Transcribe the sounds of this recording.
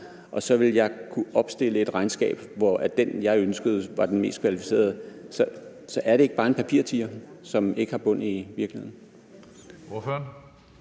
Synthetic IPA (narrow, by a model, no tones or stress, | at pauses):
ʔɒ̽sɒ̽ʋe̝ljɑ̈ɪkʰuɒ̽b̥sd̥e̝l̰əe̝d̥ʁɑ̈ɪnsɡ̥ɛ̰ːb̥ʋɒæd̥enjɑ̈ɪønsɡ̥əð̞̩ˠʋɑ̈d̥enme̝̰ːsd̥kʰʋælifi̥se̝̰ːɐð̞ˠəsɒsɒ̽ʔæɐɾe̝eɡ̥bɑ̈ːe̝npʰæpʰiɐ̰t͡sʰiɐsɒ̽me̝ɡ̥əhɑ̈b̥ɔ̽n̰iʋiɐɡ̥lie̝ð̰ˠn̩ | oføɐn